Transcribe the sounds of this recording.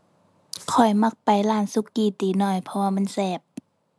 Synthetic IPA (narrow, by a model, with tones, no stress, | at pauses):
kʰɔ˨˩jma˧k̚pa˨jlaː˧˩nsu˧˥˨kːiː˧˩t̪iː˨˦nɔː˧˩jpʰɔ˧waː˧˨ma˧˥˨nsɛː˧˩p̚